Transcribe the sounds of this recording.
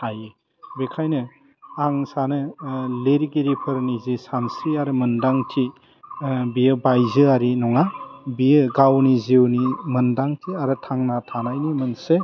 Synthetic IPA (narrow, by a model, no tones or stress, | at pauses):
haje | bekʰajnɯ | aŋsanɯleɾiɡeɾipʰɯɾnizisansiaɾɯmɯndaŋtʰi | bijɯbajzɯaɾinɔŋabijɯɡawniziwnimɯndaŋtʰiaɾɯtʰaŋnatʰanajnimɯnse